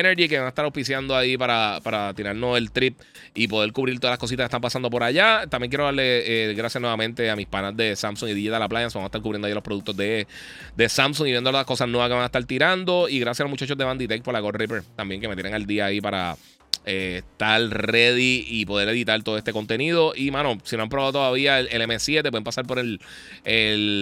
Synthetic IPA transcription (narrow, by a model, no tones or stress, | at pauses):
neɾʝik̬e̞βaŋaest̪aɾaopisjand̪oaipaɾapaɾat̪iɾaɾno̞se̞lt̪ɾip̚ | ipo̞ðe̞ɾkuβɾilt̪oðalaskosit̪aket̪ampasand̪o̞p̬o̞ɾaʝat̪ambjeŋkjeɾoaɾle̞eɣɾasjasnweβamẽ̞nt̪e̞amispanazd̪e̞samsuŋiðiʝealaplajansamoaet̪aɾkuβɾjend̪oajialopɾoðuk̚t̪o̞zd̪e | d̪e̞samsuŋiβjend̪olotlakosasnweaskeβaŋae̥t̪aɾt̪iɾand̪o̞iɣɾas̬jalo̞mut͡ʃat͡ʃod̪e̞βand̪it̪ek̚polaɣoripeɾt̪ambje̞ŋk̬eme̞t̪jeneŋald̪iaːipaɾa̰ | eːst̪alre̞ðiipo̞ðe̞ɾe̞ðit̪alt̪oðoet̪e̞ko̞nt̪e̞niðo̞ʔimãno̞sino̞ampɾoβaðo̞t̪oðaβiaelemesjet̪eweðempasaɾpo̞ɾe̞l | el